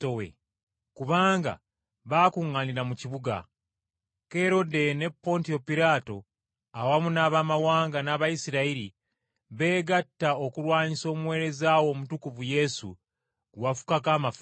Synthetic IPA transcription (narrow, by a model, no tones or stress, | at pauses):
owḛ | kuβaːŋɡa̰ | βaːkuŋːaniɾamuciβuɡa̰ | ke̞ɾo̞de̞ne̞pːo̞ntio̞piɾaːto̞ | awamunaːβamawaːŋɡanaːβajisiɾaiɾi | βe̞ːɡatːao̞kuɾwaːɲiso̞ːmwe̞ːɾe̞zaːwo̞ːmutukuvuje̞sṵ | ɡwafu̥kakaːmaf